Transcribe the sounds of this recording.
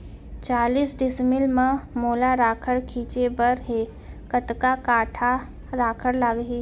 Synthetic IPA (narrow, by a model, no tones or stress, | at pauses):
t͡ʃaːliːsɖɪsmɪlmãmoːlaɾaːkʰəɽkʰiːt͡ʃebəɾɦeː | kət̪kakaːʈʰa | ɾaːkʰəɽlaɡɦiː